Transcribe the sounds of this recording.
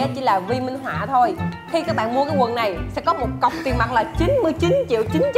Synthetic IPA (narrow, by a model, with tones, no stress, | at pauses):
ɛ˨˦˥t͡ɕḭ˧˩laː˨˩vi˧mi˧ŋ̟ɦwa̰ː˧˨t̪ʰo˧jt̪ʰi˧kaː˦˥k̚ɓa̰ː˧˨nmu˧kaː˨˦jkwə˨˩nːa˨˩jsɛ̰˧˥kɔ˨˦mo˨˩t̚kə˨˩wŋ͡mt̪wi˨˩ənma˨˩t̚laː˨˩t͡ɕi˨˦nmɨ˧əjt͡ɕi˨˦nt͡ɕḭ˧˨əwt͡ɕi˨˦n